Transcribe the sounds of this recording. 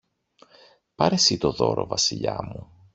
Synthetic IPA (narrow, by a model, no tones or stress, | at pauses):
pɐɾesit̪o̞ðo̞ɾo̞vɐsiʎɐmu